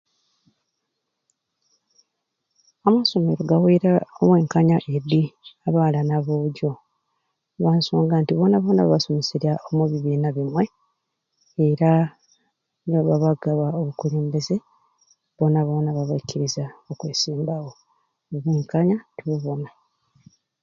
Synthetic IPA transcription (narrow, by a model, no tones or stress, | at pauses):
amaso̞me̞ɾo̞ɡaweɾaoβweːŋkaɲaʔediaβaːlanaβoːɟo̞ | βaːnsoːŋɡantiβo̞naβo̞ːnaβaβasomisiɾjaomuβiβiːnaβimwe̞ | eɾa | noβaβaɡaβaoβukuleːmbeze̞ | βo̞naβo̞ːnaβaβaiciɾizaokwḛːsiːmbawo̞ | oβeːŋkaɲatiβuβona